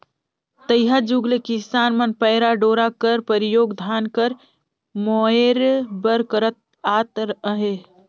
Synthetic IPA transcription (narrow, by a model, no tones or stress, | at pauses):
t̪əjɦad͡ʒuɡlekisaːnmənpəɪɾaɖoːɾakəɾpəɾijoːɡd̪ʱaːnkəɾ | mɔeɾbəɾkəɾət̪̚ | at̪ɾəɦe